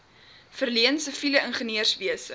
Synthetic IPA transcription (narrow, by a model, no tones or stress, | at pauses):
fərliənsəfiləənχəniərsviəsə